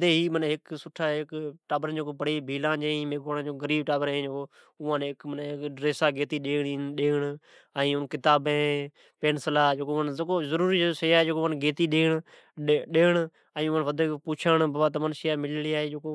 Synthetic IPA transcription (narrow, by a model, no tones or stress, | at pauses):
d̪eːɦiːmənːɦɪksʊʈʰaːɦɪkʈaːbəɾnd͡ʒeːkoːpəɽiːbʱiːlãːd͡ʒeːĩmeːkoːnːd͡ʒoːkɡəɾiːb̚ʈaːbəɾẽːd͡ʒeːkoː | ʊːãːnɪkmənkɖɾeːsaːɡeːt̪iːɗeːɳiɗeːɳ | əĩːʊnkɪt̪aːbẽː | peːnsəlaːd͡ʒeːkoənkoːzəɾuːɾiːsəjaːeːd͡ʒeːkoːənɡʱeːt̪iːɗeːɽ | ɗeːɳ | əĩːʊənʋəd̪eːpuːt͡ʃʰəɳbaːbaːt̪əmənsɪjaːmɪlliːaːɦeːd͡ʒeːko